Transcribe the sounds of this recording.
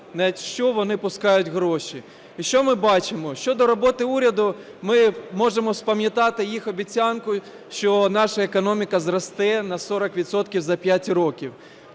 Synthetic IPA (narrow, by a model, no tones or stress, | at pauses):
nɛtʲʃt͡ʃɔʋɔnɪpʊskɑjʊtʲɣɾɔʃʲi | iʃt͡ʃɔmɪbɑt͡ʃɪmɔʃt͡ʃɔd̪ɔɾɔbɔt̪ɪuɾʲɐd̪ʊ | mɪmɔʒemɔspɐmʲjɐt̪ɑt̪ɪjixɔbʲit͡sʲɑnkʊ | ʃt͡ʃɔnɑʃɐekɔnɔmʲikɐzrɔst̪ɛnɐsɔɾɐkʋʲit̪sɔt̪kʲiwzɐpʲjatʲɾɔkʲiw